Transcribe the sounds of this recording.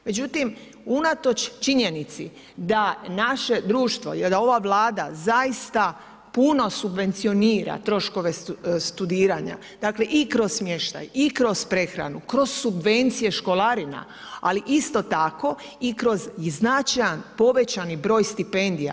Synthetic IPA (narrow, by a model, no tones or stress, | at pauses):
me̞d͡ʑut̪im | unat̪o̞t͡ʃt͡ʃiɲe̞nit̪sḭ | d̪anaʃe̞d̪ɾuːʃt̪ʋo̞̰jeld̪ao̞ʋaʋlaːd̪azaist̪a | puno̞subʋe̞nt̪sio̞niːɾa̰t̪ɾo̞ʃko̞ʋe̞st̪ud̪iːɾaɲa̰ | d̪̥akle̞ʔikɾo̞ssmje̞ʃt̪a̰jikɾo̞spɾe̞xɾa̰nukɾo̞z̥subʋe̞nt̪sije̞ʃko̞lˠaɾina̰ | aliʔist̪o̞t̪ako̞ | ikɾo̞ziznat͡ʃajanpo̞ʋe̞t͡ɕanibɾo̞ːjst̪ipe̞nd̪ija̰